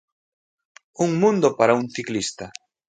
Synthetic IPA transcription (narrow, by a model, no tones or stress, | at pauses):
uŋmũnd̪opaɾauŋθiklist̪a